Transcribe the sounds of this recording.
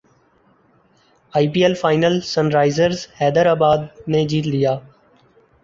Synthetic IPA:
aːipiːelfaːɪnəlsənɾaːɪzəɾzhɛːd̪əɾaːbaːd̪̚neːd͡ʒiːt̪lɪjaː

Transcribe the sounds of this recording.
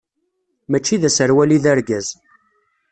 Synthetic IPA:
mæt͡ʃːiðæsəɾwæliðəɾɡæz

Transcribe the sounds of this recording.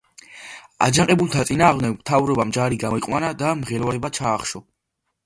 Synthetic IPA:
a̰d͡ʒaŋqʼɛbulˠt̪ʰat̪sʼinaːʁmd̪ɛɡmt̪ʰavɾɔbamd͡ʒaɾiɡamɔiqʼwanad̪amʁɛlɔɾɛbat͡ʃʰaːχʃɔ

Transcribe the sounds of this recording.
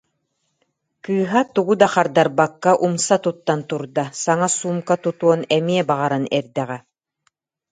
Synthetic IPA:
kɯːɦat̪uɡud̪aχaɾd̪aɾbakːaʔumsat̪ut̪ːant̪uɾd̪asaŋasuːmkat̪ut̪uɔnɛmiɛbaʁaɾanɛɾd̪ɛʁɛ

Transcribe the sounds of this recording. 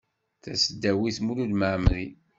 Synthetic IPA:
θæsəd̪ːæwiθmululməʕmli

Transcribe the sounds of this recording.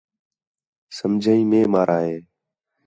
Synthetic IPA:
səmd͡ʒʱaːĩːmẽːmaːɾʔaːɦeː

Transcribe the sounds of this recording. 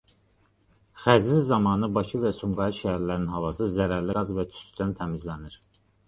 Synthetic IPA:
χæzizɑmɑːnɯbɑcʰɯvæsumɡɑiʃææɾlæɾinhɑvɑsɯzæɾæɾliɡɑzvæt͡ʃ̪ʰy̥sd̪ænt̪ʰæmizlæniɾ

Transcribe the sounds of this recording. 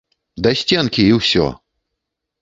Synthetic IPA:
d̪asʲt͡sʲɛnkʲiːwsʲɔ̰

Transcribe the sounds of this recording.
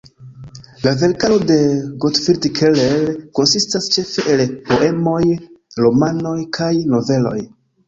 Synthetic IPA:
lave̞ɾkalode̞ɡotfiɾdikʰelelko̞nsistast͡ʃe̞fe̞ʔelpo̞ʔe̞mo̞jɾomanojkʰajno̞ve̞lo̞̰j

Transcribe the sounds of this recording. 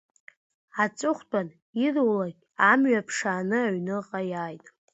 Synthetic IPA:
at͡sʼʊχʷtʼan | irwlaɡʲamɥapʰʂaːnɨaɥnɨqʼajaːjtʼ

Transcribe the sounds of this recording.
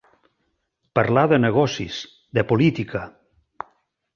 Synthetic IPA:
paɾlaðeneɣ̞ɔsis | d̪əpolit̪ika

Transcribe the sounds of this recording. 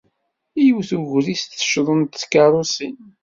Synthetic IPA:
ijuwθuʝɾist̪θə̥ʃðˤənt̪t͡skɑɾˤosin

